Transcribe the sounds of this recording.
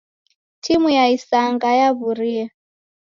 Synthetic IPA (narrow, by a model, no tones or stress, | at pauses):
tʰimujaisaŋɡajaβuɾia